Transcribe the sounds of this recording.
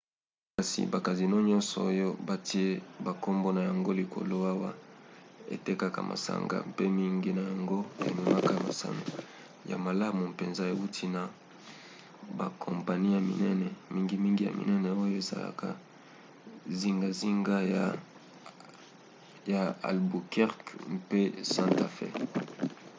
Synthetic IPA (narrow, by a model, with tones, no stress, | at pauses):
ka˨sḭ˨ba˨ka˨zi˨no˦ɲɔ˦nsɔ̰˨o˦jo˦ba˨ti˦e˦ba˨ko˦mbo˦na˨ja˨ŋɡo˦li˨ko̰˨lo˦a˦wa˦ | ḛ˨te˦ka˨ka̰˨mʔa̰˨sa̰˨ŋɡa̰˦˨pe˦mi˦ŋɡi˦na˨ja˨ŋɡo˦ḛ˨me˨ma˦ka˦˨ma̰˨sa̰˦no̰˨ | ja̰˨ma˨la˦mu˨pe˨nza˦e˨wu˦tʰi˦na˨ | ba˨kʰo˨mpa˨ni˦ja˨mḭ˨nɛ˦nɛ˨mi˦ŋɡi˦mi˦ŋɡi˦ja̰˨mḭ˨nɛ˦nɛ˨o˦jo˦e˨za̰˨la̰˨ka˨ | zi˦ŋɡa˦zi˦ŋɡa˦ja˨ | ja˨a̰˨lbu˨kɛ˦ʁkmpe˦sã˦nta˨fɛ̰˦